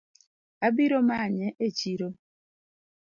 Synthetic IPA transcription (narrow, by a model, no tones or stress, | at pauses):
abiɾomaɲɛʔet͡ʃiɾo